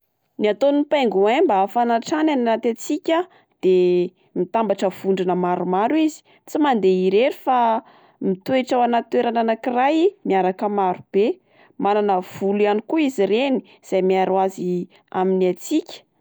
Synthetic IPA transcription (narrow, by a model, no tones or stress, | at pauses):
niat̪onipajŋɡuambafanaʈ͡ʂanananat̪at͡sikʲa | d̪̥e | mit̪ambaʈ͡ʂəv̥uɳɖ͡ʐinəmaɾumaɾwizi̥ | t͡simand̪eiɾeɾifa | mit̪ueʈ͡ʂawanat̪ueɾananakirajmiaɾakəmaɾub̥e | mananəv̥ulianikuizireni̥ | z̥ajmiaɾwazi | a̰miniat͡sikʲə̥